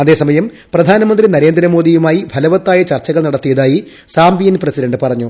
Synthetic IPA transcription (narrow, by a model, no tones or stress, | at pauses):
ɐðe̞ːsɐmɐjɐm | prɐd̪ʱaːnɐmɐnd̪rinɐɾe̞ːnd̪ɾɐmoːd̪ijumaːjibʱɐlɐʋɐt̪ːaːjɐt͡ɕɐrt͡ɕːɐɣɐɭnɐɽɐt̪ːijɐðaːji | saːmbijɐnprɐsidɐɳɖɨpɐrɐɲːu